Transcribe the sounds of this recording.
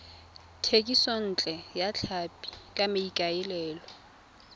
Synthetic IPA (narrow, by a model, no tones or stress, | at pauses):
tʰekʼisɔn̩t͡ɬʼɛjat͡ɬʰapʼi̥kʼamɪikʼaɪlɛːlɔ